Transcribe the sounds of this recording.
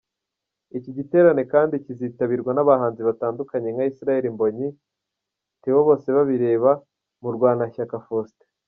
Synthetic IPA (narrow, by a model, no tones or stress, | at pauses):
iciɟite̞ːɾane̞kaːndiciziːtaβiɾɡwanaβaɦaːnziβataːndukaɲe̞ŋaisiɾaje̞ɾimbo̞ɲi | tiβo̞βo̞ːse̞βaβiɾe̞ːβa | muɾɡwaːnaçakafoste̥